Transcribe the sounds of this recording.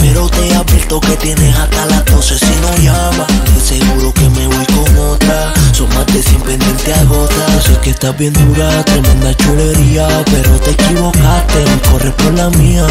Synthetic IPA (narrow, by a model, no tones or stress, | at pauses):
peɾot̪eapelt̪oke̞t̪je̞neɦat̪alakosesinoʝa | βadeseɣuɾoke̞me̞ujko̞ŋot̪ɾasoŋmazd̪esimpend̪ent̪eaɣo̞t̪asekest̪abje̞nd̪uɾat̪emẽnlat͡ʃule̞ɾiape̞ɾot̪ekiβo̞kat̪eko̞repo̞ɾlamĩa